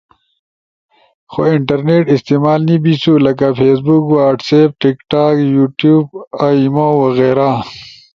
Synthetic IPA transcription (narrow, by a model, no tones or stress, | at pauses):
xoiɳʈɐɾneʈist̪eːmaːlnibisulɐkafʰeːs̬bukwaːʈsep̚ʈikʈaːkjuːʈjuːbaimowɐɣeːɾa